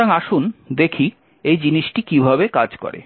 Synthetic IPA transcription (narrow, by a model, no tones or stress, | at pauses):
aŋaʃund̪ekʰi | ejd͡ʑiniʃʈikibʱabekad͡ʑkɔ̰ɾḛ